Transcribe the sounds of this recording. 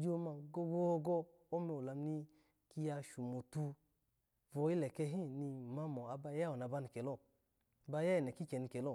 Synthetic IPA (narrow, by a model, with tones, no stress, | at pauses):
d͡ʒo˦˧ma˧ɡo˧ɡo˧ɡɔ˧ | o˦mɛ˧˨o˨la˧m˦ni˧ | ki˧ja˧ʃu˨mo˨tu˧ | vɔ˧i˦lɛ˨kɛ˧ɦĩ˦ni˧˨ma˧mɔ˨a˧ba˧ja˦ɔ˨n˨a˨˧ba˧ni˨kɛ˨lɔ˦˨ | ba˧ja˦ji˨nɛ˨ki˦kɛ˨ni˧kɛ˨lɔ˦˨